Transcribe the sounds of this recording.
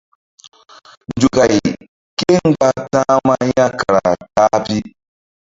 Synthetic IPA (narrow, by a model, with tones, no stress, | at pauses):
n˨d͡ʒu˨ka˨j | ke˦ŋ˦ɡ͡ba˦tãː˦ma˦ja˦ka˨ɾa˨taː˦pi˦